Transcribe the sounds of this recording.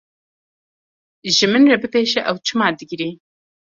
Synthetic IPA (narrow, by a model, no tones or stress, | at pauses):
ʒɨmɨnrɐbɨpeːʃɛʔɐwt͡ʃʰɨmaːd̪ɨɡɾeː